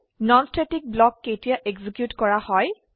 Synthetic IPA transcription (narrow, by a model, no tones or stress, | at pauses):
nɔnstʰetik̚blɔkːejtijaʔeɡzikjutkɔɹahɔj